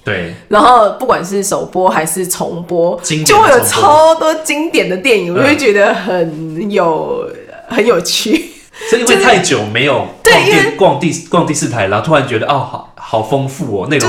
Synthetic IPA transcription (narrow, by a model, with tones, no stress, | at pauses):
t̪we˥˩ɪna˧˥nxo˥˩˧ʊpu˥˩kwa˨˩nʂ̬ɻ̩˥˩ʂo˨˩ʊpwɔ˦˥xa˧˥ɪʂɻ̩˥˩t͡sʰo̰˧˥ŋpwɔ˥t͡ɕi˦ŋjo˥˧we˥˩jo˨˩˨t͡sʰɑ˥ʊt̪wɔ˥t͡ɕi˥ŋt̪jɛ˨˩nd̪ə˩t̪jɛ˥˩ni˨ŋwɔ˨˩t͡ɕwo˥˩t͡ɕɥɛ˧˥d̪ə˧xə˨˩njo˨˩ʊ | xə˨˦njo˨˩ʊt͡ɕʰy˥˩˥ | i˥ŋwe˥˧ɪt̪ʰa˥˩ɪt͡ɕjo˨˩ʊme˧˦ɪjo˨˩ʊt̪we˥˩˧ŋi˥˧kwɑ˥˧ŋt̪i˥˧kwɑ˥˧ŋt̪i˥˧sɹ̩˥˩t̪ʰa˧˦ɪla˨˥t̪ʰo˥a˨˦nt͡ɕɥɛ˦˥d̪ə˧ʔɑ˥˩xxɑ˨˩ʊfɤ˦˥ŋfu˥˩ɔ˨˩na˥˧˩ɡ